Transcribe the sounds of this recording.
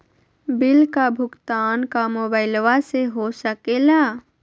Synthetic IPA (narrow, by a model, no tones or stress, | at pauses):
bilkabʱʊɡt̪aːnkamoːbaɪlʋaseɦosəkela